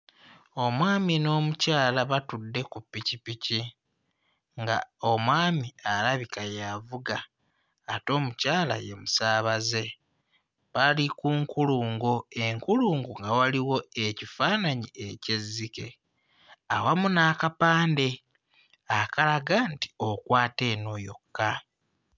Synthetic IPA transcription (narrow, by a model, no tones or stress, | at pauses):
o̞mwaːmino̞ːmucaːlaβatudːe̞kupːicipici | ŋɡa̰o̞mwaːmiaɾaβikajavuɡaː | to̞ːmucaːla̰je̞musaːβaze̞ | βalikuːŋkuluːŋɡoe̞ŋkuluːŋɡuŋɡawaliwo̞e̞cifaːnaɲie̞ce̞zːike̞ | awamunakapaːnde̞ | akalaɡanti̥okwaːte̞ːnojo̞̰kːa